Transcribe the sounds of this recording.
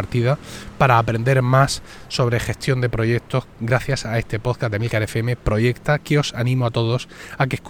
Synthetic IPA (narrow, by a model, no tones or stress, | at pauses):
aɾt̪iðapaɾaːpɾe̞nd̪e̞ɾmasː | o̞β̞ɾe̞xe̞st̪jo̞nd̪e̞pɾo̞ʝe̞k̚t̪o̞hɡɾaθjasae̞st̪e̞po̞ðkazðemilkaɾefeemepɾo̞ʝe̞kt̪akeo̞sanĩmoat̪o̞ð̞o̞sak̬ehk